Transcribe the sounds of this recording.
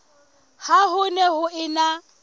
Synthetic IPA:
hahʊnɛhʊɪna

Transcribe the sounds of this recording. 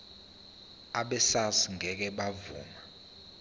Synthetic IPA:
aɓɛsasiŋʱɛk̬ɛɓavṵːma

